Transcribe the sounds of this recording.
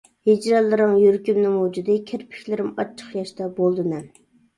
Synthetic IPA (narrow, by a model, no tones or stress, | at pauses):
hed͡ʒɾɑlːɨɾɨŋjyɾkʲymnɪmud͡ʒud̪ɨkʲʰeɾpʰɪ̥kʲlɪɾɪmɑt͡ʃʰːə̥χjɑʃt̪ɑbolˠd̪ɨnɛ